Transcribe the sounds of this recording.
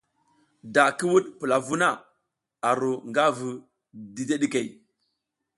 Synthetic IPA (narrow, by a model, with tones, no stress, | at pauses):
da˨ki˦wu˦ɗpə˨la˨vu˦na˦˨ | a˨ɾo˨ŋɡa˦vu˨ | di˨de˦ɗi˦ke˨j